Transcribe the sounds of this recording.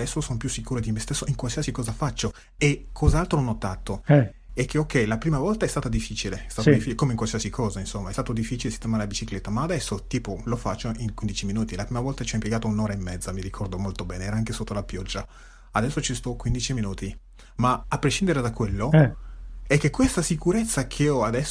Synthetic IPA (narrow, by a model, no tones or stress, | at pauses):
d̪ɛsːosonopjusːikuːɾod̪imest̪esːoiŋkwalsiasikɔːzafat͡ʃːo | ekʰːɔzaalt̪ɾonot̪ːat̪ːoɛ | ɛk̟ːeokːɛjlapɾiːmavɔlt̪aɛst̪aːt̪ad̪ifːiːt͡ʃileɛst̪aːod̪ifːit͡ʃkomeiŋkwalsiasikʰɔːzainsomːaɛst̪aːt̪od̪ifːit͡ʃilesi̥t̪emaɾelabit͡ʃiklet̪ːamaːd̪ɛsːot̪iːpolofat͡ʃːoʔiŋkwind̪it͡ʃiminuːt̪ilapɾiːmavɔlt̪at͡ʃiɔimpjeɡaːt̪ounoːɾaimːɛd̪zːamiɾikʰɔrd̪omolt̪obɛːneɛːɾaaŋkesot̪ːolapjɔd͡ʒːa | ad̪ɛsːot͡ʃist̪ɔkwind̪it͡ʃiminuːt̪i | maapːɾeʃːind̪eɾed̪akwelːoɛɛkːekːwest̪asikuɾet̪sːakʰeɔad̪ɛsː